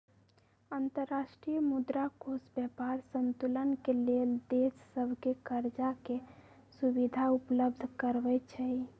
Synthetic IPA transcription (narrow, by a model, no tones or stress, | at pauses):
ənt̪əɾːasʈɾijəmud̪ɾakʰosbjɛpaɾsənt̪ulənkeleld̪esːəbʱkekəɾd͡ʒake | subid̪ʱaupləbd̪ʱkəɾbɛt͡ʃʰɛi